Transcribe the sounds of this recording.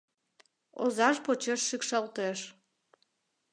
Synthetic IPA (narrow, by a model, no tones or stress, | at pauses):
o̰zɑʃpot͡ɕeʃːykʃɑlt̪eʃ